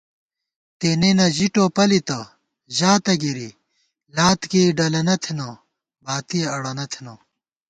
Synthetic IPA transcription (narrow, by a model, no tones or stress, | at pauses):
t̪eːnenɐʑiʈoːpɐlit̪ɐ | ʑaːt̪ɐɡiɾi | laːt̪kiːɖɐlɐnɐt̪ʰinɐ | baːt̪iɐɽɐnɐt̪ʰeno